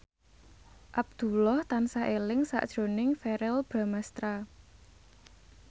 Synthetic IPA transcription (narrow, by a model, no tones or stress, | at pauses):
ʔab̥̚d̪̥ṳlɔht̪ansaʔelɪŋsa̰ʔd̥ʒ̥o̤nɪŋfɛɾɛlb̥ɾamast̪ɾa